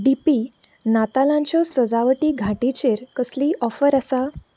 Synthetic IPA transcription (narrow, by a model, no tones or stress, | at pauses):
ɖipi | nat̪alãɲt͡ɕjɔsəd͡zaʋəʈiːɡʱaʈit͡ɕeɾkəsliːʔɔfəɾasa